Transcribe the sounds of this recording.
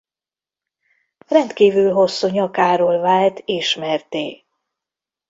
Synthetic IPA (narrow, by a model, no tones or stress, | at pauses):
rɛnt̪kiːvylɦo̞sːuɲɒkaːɾoːlvaːlt̪ʰeːʃmɛrt̪eː